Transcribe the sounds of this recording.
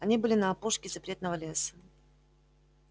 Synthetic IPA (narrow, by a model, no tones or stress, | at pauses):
ɐnʲibɨlʲɪnɐːpoʂkʲɪzɐpɾʲe̞t̪nəvəlʲe̞sə̥